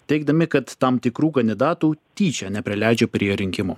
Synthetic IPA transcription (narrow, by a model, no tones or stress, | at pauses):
t̪ʲɛɪɡ̚d̪ɐmʲɪkɐt̪t̪ɐmt̪ʲɪkɾuːkɐnʲd̪ʲɪd̪ɑːt̪uːt̪ʲiːt͡ʃʲɛnʲɛpʲɾʲɪlʲæˑɪd͡ʒʲoːpʲɾʲiɛɾʲɪŋʲkʲɪmo̰